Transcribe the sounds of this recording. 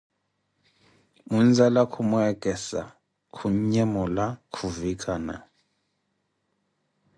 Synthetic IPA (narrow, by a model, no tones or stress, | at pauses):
mund͡zalakʰumɔɛkʼɛsa̰ | kʰuɲɛmɔlakʰuvikʼana̰